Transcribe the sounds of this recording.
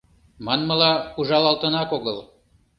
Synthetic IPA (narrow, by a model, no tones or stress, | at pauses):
mɑnməlɑuʒɑlɑlt̪ənɑkoɣəl